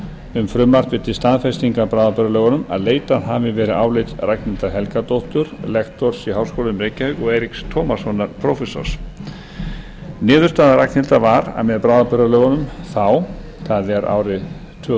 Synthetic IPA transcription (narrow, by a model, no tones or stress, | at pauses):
ʏmfɾʏmlar̥t̪vɪt̪ʰɪst̪aːðfɛst̪iŋkapɾaːwðapœɾalœːɣɔnʏma̰ðleːjt̪aðavɪvɛːɾɪaːwlejt̪rajknɪnt̪aɦɛlkat̪owht̪ʏɾlɛkt̪ɔɾ̥siɦaːwskoːlʏmɾejcahœɣɔɣeːjɾikst̪ʰɔːmasɔnːaɾpʰɾɔwfɛsɔ̰ɾ̥s | nɪːðʏɾ̥st̪aːðaɾajknɪlt̪avaɾa̰ðmɛðpɾaːwðapœɾðalœːɣɔnʏmθaw | θʰaðɛɾʔa̰wɾɪ | t̪ʰʏː